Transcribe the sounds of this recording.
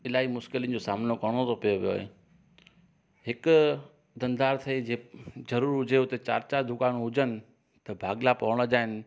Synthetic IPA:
ɪlaːimʊʃkɪliənd͡ʑoːsaːmnokɐɽ̃ot̪opijoʋijo̰ːḛː | ɦɪk | d̪ɐ̃n̆d̪aːɾt̪ʰɐid͡ʑeːzɐɾuːɾʊd͡ʑʱeʊt̪et͡ɕa̰ːɾt͡ɕad̪ʊkaːnɦʊd͡ʑənɪ̆ | t̪ɐbʱaːɡlapɐʋəɽ̃od͡ʑaːɦɪnɪ̆

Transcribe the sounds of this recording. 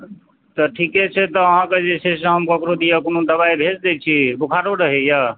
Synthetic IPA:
t̪ɔʈʰikɛt͡ʃʰɛt̪ɔəɦãked͡ʒesɛsə̃ɦəmkokɾod̪ijəkonod̪əbaibʱed͡ʒd̪ɛt͡ʃʰibukʰaɾoɾəɦɛjə

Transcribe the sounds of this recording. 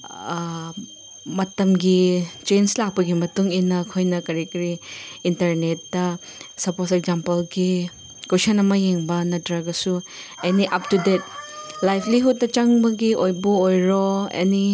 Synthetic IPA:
mɐtɐmɡit͡ʃenslak̚pɐɡimɐtuŋinɐkʰojnɐkɐɾikɐɾiːntɐɾnetːɐ | sɐposek̚zampɐlɡi | kowsanɐmɐjeŋbɐnɐtɾɐɡɐsu | eniʔɐp̚tudet̚lajpʰliɦut̚ːɐt͡ʃɐŋbɐɡiʔojbuojɾoḛni

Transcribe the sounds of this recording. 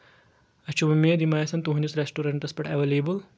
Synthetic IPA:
ɐt͡ʃʰumɐmed̪imaːjɐsɐnt̪uɦunʲusɾesʈuɾɐɳʈɐspɐʈɐʋeleːbul

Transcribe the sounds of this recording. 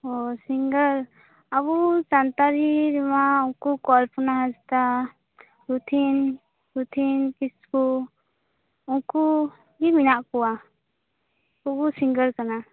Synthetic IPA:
ɔsiŋɡəɾ | abud͡ʒant̪aɾiɾɛmauŋkukɔlpunaɦad͡ʒt̪a | ɾut̪ʰin | ɾut̪ʰinkisku | uŋku | ɡiminaʔkɔwa | uɡusiŋɡəɾkana

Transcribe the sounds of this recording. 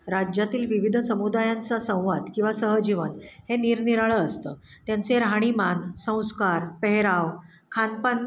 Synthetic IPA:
ɾad͡ʑjat̪iːlʋiʋid̪ʱsəmud̪ajant͡sasə̃w̃ʋad̪kĩw̃ʋasəɦəd͡ʑiʋənheniɾniɾaɭəːst̪əːt̪jant͡seɾɦaɽ̃imansə̃w̃skaɾpəɦeɾaw | kʰanpan

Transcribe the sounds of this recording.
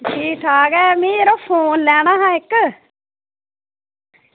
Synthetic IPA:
t͡ʃʰiːʈʰaːkɛːmĩːɾoːpʰoːnlɛːɳ̃ãːɦãːɪk

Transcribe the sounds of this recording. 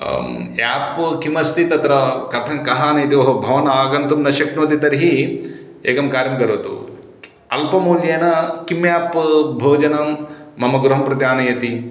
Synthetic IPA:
aːpkimɐst̪it̪ɐt̪ɾɐkɐt̪ʰɐŋkɐɦaːnɐjɐt̪iʋɐɦɐbʱɐʋɐnaːɡɐnt̪umnɐʃɐknoːt̪it̪ɐɾiɦi | ḛːkɐmkaːɾjɐmkɐɾoːt̪ṵ | ɐlpɐmuːljeːnɐkimjaːpbʱoːd͡ʒɐnɐmːɐmɐɡɾɐɦɐmpɾɐt̪jaːnɐjɐt̪i

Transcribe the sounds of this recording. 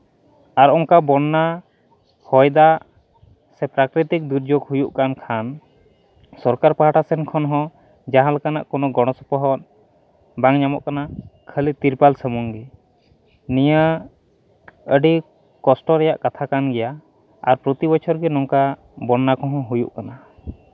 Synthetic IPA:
aɾɔŋkabɔnːa | hɔjd̪a | sɛpɾakɾit̪ik̚d̪uɾd͡ʒoɡhujuʔkankʰan | sɔɾkaɾpaɦaʈasɛnkʰɔnɦɔ̃ | d͡ʒaɦãləkana̰ʔkɔnɔɡɔɽ̃ɔsɔpɔɦɔt̪̚ | baŋɲamɔʔkanakʰəlit̪iɾpalsəmuŋɡɛ | nijə | əɖi | kɔsʈɔɾɛjaʔkat̪ʰakanɡɛja | a̰ɾpɾɔt̪ibɔt͡ʃʰɔɾɡɛnɔŋka | bɔnːakʰɔ̃ɦɔ̃ɦujṵʔkana

